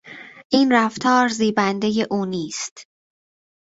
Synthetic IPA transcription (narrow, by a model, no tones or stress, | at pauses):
ʔiːnræft̪ʰɒːɾziːbænd̪e̞je̞ʔuːniːst̪